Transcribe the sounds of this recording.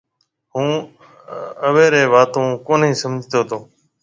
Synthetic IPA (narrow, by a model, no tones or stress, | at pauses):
ɦũː | əʋeːɾeːʋaːt̪õːkoːniːsəmd͡ʒʱt̪oːt̪ʰoː